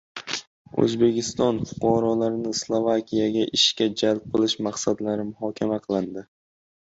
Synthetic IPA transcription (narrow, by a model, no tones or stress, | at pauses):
ɵ̰zbe̞kʲɪst̪ɒnfʊ̥qʰɒɾɒlaɾnɪslˠovakʲʰijaɡʲaʔɪʃkʲad͡ʒalˠp̚qʰɨlˠɪʃmaqsad̪laɾɪmʊhɒkʲʰamaqʰɨlˠɪnd̪ɪ